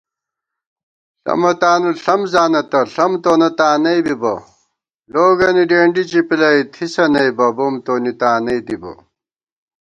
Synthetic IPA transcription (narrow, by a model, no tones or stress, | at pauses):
ɬɐ̰mɐt̪aːnuɬɐmzaːnɐt̪ɐɬɐmt̪oːnɐt̪aːnɐjbibɐ | loːɡɐniɖeːɳɖit͡ɕipilɐjt̪ʰisɐnɐjbɐbomt̪oːnit̪aːnɐjd̪ibɐ̰